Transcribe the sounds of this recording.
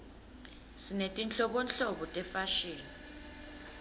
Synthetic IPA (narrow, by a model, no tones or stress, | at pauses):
sinetʼint͡ɬɔɓɔnɬoɓɔtʼɛfaʃiːni